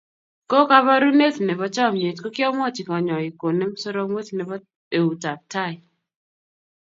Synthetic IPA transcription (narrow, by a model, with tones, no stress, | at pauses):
ko˦ka˦βa˦ɾu˦ne˦tnɛ˨βɔ˦t͡ʃɔ˦˨mɲe˨tkɔ˦kjɔ˦mɔ˦t͡ʃi˨kɔ˨ɲɔ˨i˨ko˨ne˦m˦so˦ɾɔ˦mwe˦tnɛ˨bɔ˦ | e˨u˨ta˨p̚ta˦˨ɪ˨